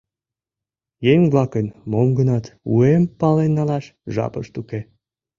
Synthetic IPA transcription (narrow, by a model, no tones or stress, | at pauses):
jeŋblɑkənmomɡənɑt̪ṵempɑlenːɑlɑʃʒɑ̰pə̰ʃt̪uke